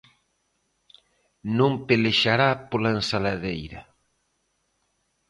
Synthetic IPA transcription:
nõmpeleʃaɾapolaensalaðejɾa

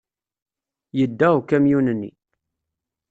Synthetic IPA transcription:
jəd̪ːæwkæmjunənːḭ

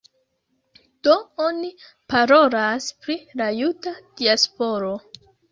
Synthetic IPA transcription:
d̥ooni | paɾo̞laspɾilajutad̥iaspo̞ɾo̞

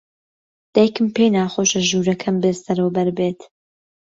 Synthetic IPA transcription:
d̪̥ɛjkɨmpejnaːxoːʃɐʒuːɾɐkʰɐmbesɐɾəwbɐɾbeːt̪

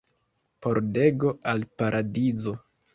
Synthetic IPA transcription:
po̞ɾde̞ɡo̞alpaɾʔadizo̞

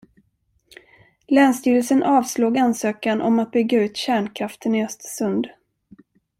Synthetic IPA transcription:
lɛːnst̪yːɾəlsənʔɑːvsloːɡansøːkanʔɔ̰mat̪̚bʏɡːaʉ̟ːt̪ɕæːɳkʰɾaft̪ənɪœst̪sɵnd̪

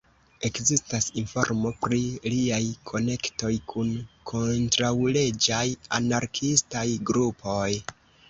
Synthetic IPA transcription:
e̞kzistasinfo̞̰ɾmo̞pɾiliajkʰo̞ne̞kto̞jkʰunkʰo̞ntɾawle̞d͡ʒajanaɾkʰistajɡɾupʰo̞j

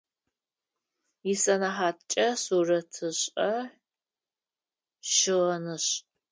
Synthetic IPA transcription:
jɪsɐnaħaːtt͡ʃʼɐsuːrɐtʰɨɕʼɐ | ʃɪʁɐnɨɕ

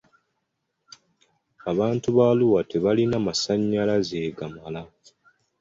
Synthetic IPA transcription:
aβaːntuβaluwate̞βalinamasaɲːalaze̞ːɡamala

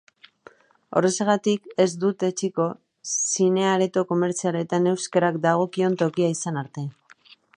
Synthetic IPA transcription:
o̞re̞seɣat̪ike̞zd̪ut̪e̞t͡ʃiko̞ | sine̞aɾe̞t̪o̞ko̞me̞ɾt͡siale̞t̪ane̞wskeɾakd̪aɣ̞o̞kio̞nt̪o̞kiaisanaɾt̪e̞

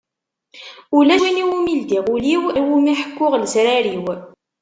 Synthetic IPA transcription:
ulæʃiniwumild̪iʁuliwæwumiħə̥kːʊʁlsɾaɾiw

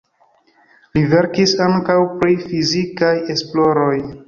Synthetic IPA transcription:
live̞ɾkisaŋkawpɾifizikaje̞splo̞ɾo̞j

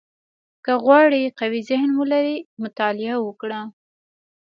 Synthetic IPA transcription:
kəɣwɑɽiqawizɪhnmulaɾimʊt̪ɑlɪawəkɽa

